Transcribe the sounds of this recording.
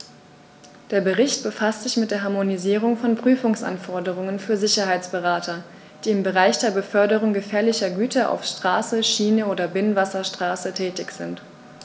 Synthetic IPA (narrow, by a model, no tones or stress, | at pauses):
d̥eːɐbəʁɪçt̚b̥əfastz̥ɪçmɪt̚d̥eːɐɦaɐmoniziːʁ̞ʊŋfɔnpʁ̥yːfʊŋsʔa̰nfɔɐdəʁ̞ʊŋənfyːɐzɪçɐɦaɪt͡sb̥əʁaːtɐ | d̥iːɪmbəʁaɪçd̥eːɐbəfœɐdəʁ̞ʊŋɡəfɛːɐlɪçɐɡyːtɐʔa̰ʊfʃtʁ̥aːsəʃiːnəoːdɐbɪnnvasɐʃtʁ̥aːsətʰɛːtɪçz̥ɪnt